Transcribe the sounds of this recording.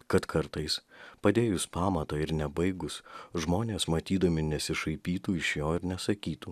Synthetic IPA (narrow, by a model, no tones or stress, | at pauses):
kɐt̪kʰɐɾt̪ɐɪspɐd̪ʲeːjʊspɑːmɐt̪ɐːɪɾnʲɛbɐɪɡʊsʒmoːnʲeːsmɐt̪ʲiːd̪ɐmʲɪnʲɛsʲɪʃɐɪpʲiːt̪uːɪʃjoːɪɾnʲɛsɐkʲiːt̪uː